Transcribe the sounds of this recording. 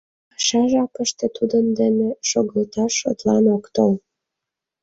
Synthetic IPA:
ʃɑʒɑkəʃt̪et̪ud̪ənd̪eneʃoɣlet̪ɑʃːo̰t̪lɑnokt̪ol

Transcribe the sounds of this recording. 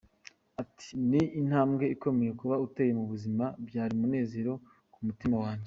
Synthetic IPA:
ati̥niin̥haːmɡe̞iko̞me̞je̞kuβaute̞ːje̞muβuzimabɟaːɾimune̞ːze̞ɾo̞ | kumutimawaːɲɟe

